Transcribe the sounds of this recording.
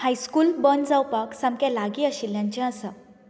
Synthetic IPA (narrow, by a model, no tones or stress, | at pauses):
hajskuːlbənd͡zawpaksãmkjalaɡiːaɕiljãɲt͡ɕɛ̃əsa